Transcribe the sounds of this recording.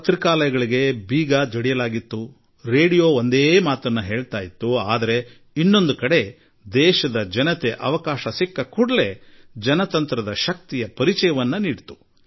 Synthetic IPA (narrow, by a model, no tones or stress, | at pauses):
ɐt̪ɾikaːlɐjɐɡɐɭiɡe̞biːɡad͡ʒɐɽijɐlaːɡit̪ːu | ɾe̞ːɽijo̞ːond̪eːmaːt̪ɐnːuɦe̞ːɭt̪aːjit̪ːuaːd̪ɐɾe̞ | inːo̞nd̪ukɐɽe̞ | d̪ɛːʃɐd̪ɐd͡ʒɐnɐt̪e̞ʔɐ̰ʋɐkaːʃɐsikːɐkuɽɐle̞d͡ʒɐnɐt̪ɐnt̪ɾɐd̪ɐʃɐk̚t̪ijɐpɐɾit͡ʃɐjɐʋɐnːɐniːɽt̪u̥